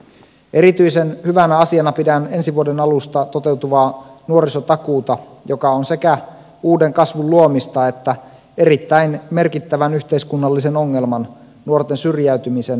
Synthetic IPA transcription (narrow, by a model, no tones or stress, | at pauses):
e̞ɾit̪yjse̞nhyʋænæɑsiɑnɑpidæne̞nsiʋuode̞nɑlust̪ɑt̪o̞t̪e̞wt̪uʋɑːnuoɾiso̞t̪ɑkuːt̪ɑ | jo̞kɑonse̞kæ | uːde̞ŋkɑsʋulluomist̪ɑe̞t̪ːæ | e̞ɾit̪ːæinme̞rkit̪ːæʋænyçt̪e̞iskunːɑlːise̞no̞ŋːe̞lmɑn | nuo̞rt̪e̞nsyrjæyɥt̪ymise̞n